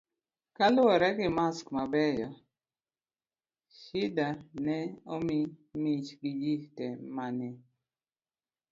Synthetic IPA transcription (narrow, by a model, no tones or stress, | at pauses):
kalʊɔɾɛɡɪmaskmabɛjɔ | ʃidanɛomimit͡ʃɡid͡ʒitɛmanɛ